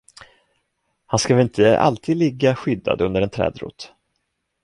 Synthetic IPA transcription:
hanskavɛlɪnt̪ʰəʔa̰lt̪ʰiːd̪lɪɡːaɧʏd̪ːa̰d̪ɵnd̪əɾɛnt̪ʰɾɛ̰ːd̪ɾṵːt̪

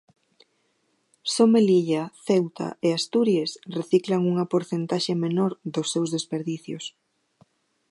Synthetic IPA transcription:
someliʎaθewt̪a̰ʔeast̪uɾjesreθiklaŋuŋɐpoɾθent̪aʃemenoɾðʊsːewzðespeɾðiθjo̰s

